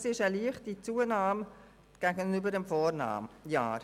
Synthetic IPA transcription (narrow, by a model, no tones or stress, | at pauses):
sɪʃəliəχtit͡suːənaːm | ɡ̥aɡənybəɾdɛmfɔːɾna̰ːmja̰ːɾ